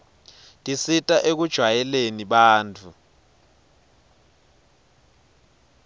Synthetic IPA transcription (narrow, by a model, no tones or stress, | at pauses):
tʼisitʼaʔek̬ud̥ʒ̥ʱwajɛleniɓaːnt͡fʰu